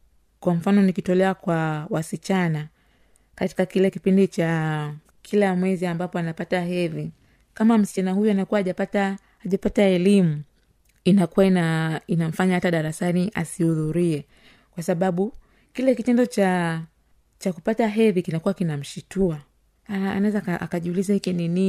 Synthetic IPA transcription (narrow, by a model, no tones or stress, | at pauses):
kwam̩fanɔnikitɔlɛakwawasit͡ʃana | kati̥kakilɛkipindit͡ʃa | kʰilamwɛziambapɔanapataɦɛði | kamam̩si̥t͡ʃanahujuanakuaːʄapataː | ʄapataɛlimu | inakuwainainam̩faɲahataɗaɾasaniʔa̰sihuðuɾiɛ | kwasaɓaɓu | kilɛkitɛndɔt͡ʃa | t͡ʃakupataɦɛðikinakuwakinam̩ʃitua | aa̰nawɛzakaʔakaʄiulizahikinini